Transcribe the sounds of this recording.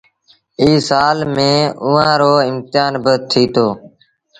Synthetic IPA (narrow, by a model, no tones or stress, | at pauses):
iːsaːlmẽːʊːãːɾoːɪmt̪ɪjaːnbət̪ʰiːt̪ʰoː